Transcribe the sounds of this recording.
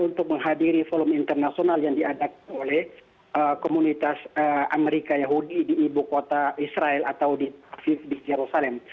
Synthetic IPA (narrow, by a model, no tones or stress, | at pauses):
unt̪ʊk̚məŋɦadiɾifolɔmint̪ərnasionaljaŋdiadak̚nolɛh | əkomunit̪asəa̰mɛɾikajaɦudidiːbukot̪aisɾaɛlat̪awdififdid͡ʒɛɾusalɛm